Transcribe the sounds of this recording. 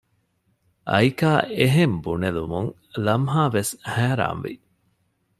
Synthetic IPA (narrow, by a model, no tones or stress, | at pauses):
ʔɐ̰jkaːeɦembunelumuŋ | lɐmɦaːʋeshæːɾa̰ːnʋḭ